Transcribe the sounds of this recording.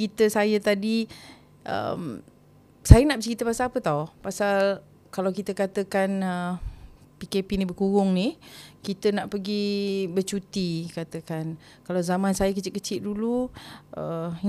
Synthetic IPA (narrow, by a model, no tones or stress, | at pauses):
it̪əsajət̪adi | ʔə̰m | sajənaʔbət͡ʃəit̪əpasaapət̪ɔpasal | kalawkit̪əkat̪əkanə | pikepinibəkuɣʊŋnihkit̪ənaʔpəɡibət͡ʃut̪ikat̪əkan | kalawzamãnsajəkət͡ʃɪʔ̪kət͡ʃɪt̪̚duluʔə